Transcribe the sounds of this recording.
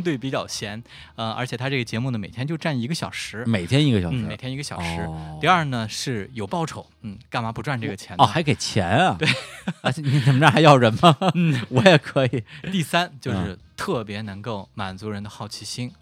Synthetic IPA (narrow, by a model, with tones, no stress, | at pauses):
t̪we˥˩ɪpi˧˩t͡ɕjɑ˥˩ʊt͡ɕʰjɛ˧˥n | ə˧ə̰˧˥t͡ɕʰjɛ˨˩t̪ʰa˥ʈ͡ʂɤ˥˩ɡə˩t͡ɕjɛ˧˥mu˥˩nə˩me˨˩ɪt̪ʰjɛ˥nt͡ɕjo˥˧ʊʈ͡ʂa˥˩ni˧˥ɡə˧ɕjɑ̰˨˩ʊʂɻ̩˧˥me˨˩ɪt̪ʰjɛ˥ni˧˥ɡə˩ɕɑ̰˨˩n̩˥˩m˥e˨˩ɪt̪ʰjni˧˥ɡə˧ɕjɑ˨˩ʂɻɻ̩˧˥t̪i˥˧ɐ˞˥˩nə˩ʂɻ̩˥˩jo˨˩ʊpɑ˥˩ʊʈ͡ʂʰo˨˩˦ʊn̩˥˩ka˥˩nma˧˥pu˧˥ʈ͡ʂwa˥˧nʈ͡ʂɤ˥˩ɡə˩t͡ɕʰjɛ˧˥nɔ˥˧xa˧˥ɪke˨˩ɪt͡ɕʰjɛ̰˧˥nɐ˧t̪we˥˩ɪ˧˥ni˧˥t͡sə˨˩mə˦˥˩xa˧˥ɪjɑ˥˩ʊɻə˧˥nmə˧n̩˥˩wɔ˧˥jɛ˨˩kʰɤ˧˥i˨˩˦t̪i˥˩sa˥nt͡ɕjo˥˧ʊʂɻ̩˥˧t̪ʰɤ˥˩pjɛ˧˥nɤ˧˥ŋko˥˩ʊma˨˩nt͡su˧˥ɻə˧˥nd̪ə˧xɑ˥˩ʊt͡ɕʰi˧˥ɕi˥ŋ